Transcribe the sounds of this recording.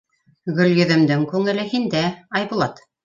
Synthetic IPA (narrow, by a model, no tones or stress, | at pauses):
ɡɵ̆ljɵ̆ðɘ̆md̪ɘŋkʉŋɘ̆lɘɦind̪æɑjbulˠɑt̪